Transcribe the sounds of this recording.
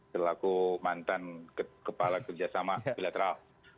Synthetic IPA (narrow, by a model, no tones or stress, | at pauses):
ərlaɡumant̪anəkəpalakərd͡ʒasamabilat̪əɾal